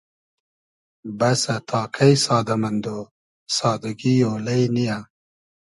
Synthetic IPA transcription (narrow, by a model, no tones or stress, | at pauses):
bɐsɐt̪ʰɑːkʰɐjsɑːd̪ɐmɐnd̪o | sɑːd̪ɐɡijoːlɐjnija